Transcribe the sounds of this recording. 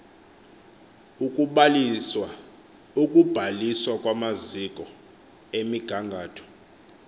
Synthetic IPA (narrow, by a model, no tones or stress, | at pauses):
ukʼ | ukʼub̥ʱaliswakʼwamazikʼɔ | emiɡ̥ʱaŋɡʱaːtʰɔ̥